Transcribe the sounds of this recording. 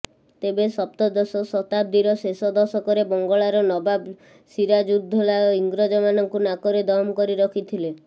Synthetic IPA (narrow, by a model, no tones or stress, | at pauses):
t̪ebesɔpt̪ɔd̪ɔsɔsɔt̪ab̚d̪iɾɔsesɔd̪ɔsɔkɔɾebɔŋɡɔɭaɾɔnɔbab | siɾad͡ʒud̪ʱɔlaiŋɡɾɔd͡ʒɔmanɔŋkunakɔɾed̪ɔɦmkɔɾiɾɔkʰit̪ʰile